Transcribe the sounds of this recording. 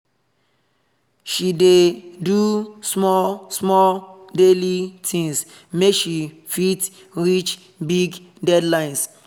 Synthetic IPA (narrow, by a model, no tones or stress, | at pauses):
ʃidedusmɔlsmɔldelitʰĩŋs | mekʃi | fit | ɹit͡ʃ | biɡ | dɛdlãɪ̃ns